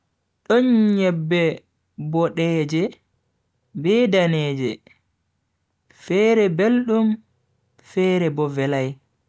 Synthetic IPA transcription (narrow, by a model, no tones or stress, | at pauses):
ɗɔnɲɛbːɛ | bɔɗɛːd͡ʒɛ | bɛdanɛːd͡ʒɛ | fɛːɾɛbelɗum | fɛːɾɛbɔvɛlaj